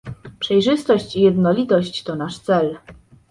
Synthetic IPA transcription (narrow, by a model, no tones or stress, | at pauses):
pʂɛjʐɘst̪ɔɕt͡ɕijɛd̪nɔlʲit̪ɔɕt͡ɕt̪ɔnaʂt̪sɛl